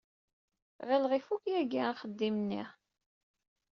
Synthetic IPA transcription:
ʁəlʁifukjæɡaχəd̪ːimnːḭ

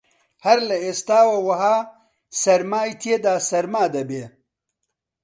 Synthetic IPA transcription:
hɐɾlɐeːst̪aːwɐwɐɦaː | sɐɾmaːjit̪ʰeːd̪aːsɐɾmaːd̪ɐbeː

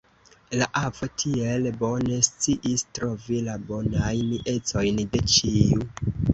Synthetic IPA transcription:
laʔavo̞tʰie̞lbo̞ne̞st͡siʔistɾo̞vilabo̞najniʔe̞t͡so̞jnde̞t͡ʃiu

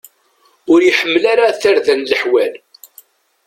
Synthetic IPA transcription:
ʊɾjəħəmːlaɾaθaɾðænləħwæl

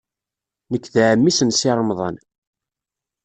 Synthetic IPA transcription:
nəkːðʕəmːisənsɪɾˤəmðˤɑ̰n

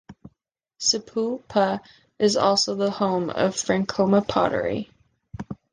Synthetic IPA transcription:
sɨpʰulˠpʰə | ʔɨzɔ̰lˠsoʊðəhõʊ̃mʌ̰v̥fɹæ̃ŋkʰoʊməpʰɑ̰ɾə̰˞ḭ

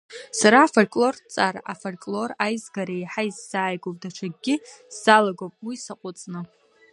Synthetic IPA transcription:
saɾaːfolkʼlo̞rt͡sʼaɾʔafolkʼlo̞rajzɡaɾaeħaizːaːjɡʷowpʼdaʈ͡ʂʷʰaɡʲɡʲɪz̥alaɡopʼwuisaqʷʼʊt͡sʼnɨ

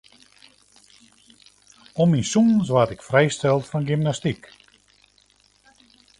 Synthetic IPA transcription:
ɔminsumns̬ʋatɪkfrɛjstɛlˠtfɔnɡymnastik

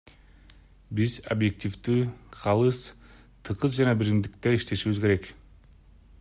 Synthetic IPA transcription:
bizobje̞k̚t̪ʲivd̪yːqʰɑlˠɯs | t̪ʰɯqɯzd͡ʒɑnɑbiɾimd̪ik̚t̪eiʃt̪e̞ʃiβizke̞ɾe̞k

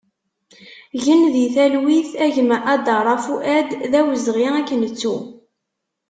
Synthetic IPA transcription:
ʝənðiθælwiθæʝəmʔæd̪ɑɾˤɑfuʔæd̪ðæwəzʁiækːənət͡sːu

